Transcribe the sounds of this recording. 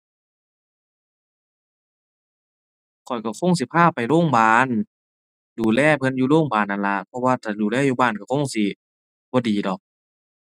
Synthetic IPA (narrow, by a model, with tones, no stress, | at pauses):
kʰɔ˨˩jka˧˩kʰo˧˥˨ŋsi˨˦pʰaː˧˥˨pa˨jloː˧˥˨ŋbaː˨n | duː˨˩lɛː˧˩˨pʰɤ˧˨njuː˧˨loː˧˥˨ŋbaː˨˩nʔa˨˩nla˧ʔpʰɔ˧waː˧˩t̪ʰaː˨˩duː˨˩lɛː˧˥˩juː˧˩baː˧˥˨nka˧˩kʰo˧˥˨ŋsi˧˦ | bɔː˧˦diː˨˦dɔ˨˩k̚